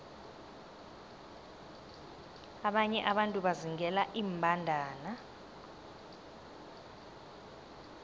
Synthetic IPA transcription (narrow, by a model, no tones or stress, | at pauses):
aɓaɲɛʔaɓantʼuɓaziŋʱɛlaʔiːmbʱandʱaːna